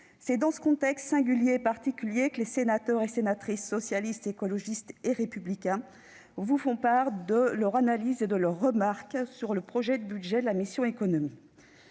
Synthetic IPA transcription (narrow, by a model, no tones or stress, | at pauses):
sɛd̪ɑ̃sə̥kɔ̃t̪ɛkst̪sɛ̃ɡʲyljeːpaʁt̪ikʲyljekəlesenat̪œʁesenat̪χisːɔsjalist̪ekɔlɔʒist̪eʁepyblikʲɛ̃ | vufɔ̃paʁd̪əlœʁanalized̪əlœʁːəmaʁksyʁləpχɔʒɛd̪əbyd̪ʒɛd̪əlamisjɔ̃ekɔnɔmi